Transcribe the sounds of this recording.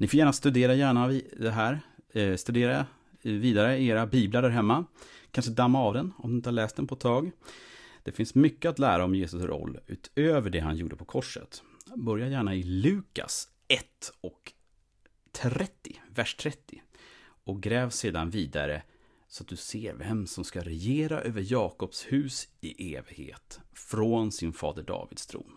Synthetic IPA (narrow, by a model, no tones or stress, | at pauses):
nɪfoːjæːɳast̪ɵd̪eːɾajæːɳaɪd̪ɛɦæːɾst̪ɵd̪eːɾa | viːd̪aɾəeːɾabiːblad̪æɾɦɛmːakʰanʂəd̪amːaːvd̪ɛnɔmd̪ɵɪnt̪əhaɭɛːst̪d̪ɛnpʰɔɛt̪ʰːɑːɡ | d̪̥ɛfɪnsmʏkːəat̪læːɾaɔmjeːsɵsɾɔ̰lːʉ̰ːt̪øːvəɖɛɦanjṵːɖəpʰɔkʰɔʂːə̰t̪ | bœɾjajæːɳaɪlʉ̟ːka̰s | ɛt̪ːɔk | t̪ʰɾɛt̪ːɪvæʂt̪ʰɾɛt̪ʰːɪʔɔk̚ɡɾɛːvseːd̪anviːd̪a̰ɾə̰ | sɔat̪̚d̪ɵseːɾvɛmsɔmskaɾɛjeːɾaʔøːvəɾjɑːkɔpshʉ̟ːsɪʔeːvɪɡhḛːt̪fɾoːnsɪnfɑ̰ːd̪əɖɑ̰ːvɪd̪st̪ʰɾṵːm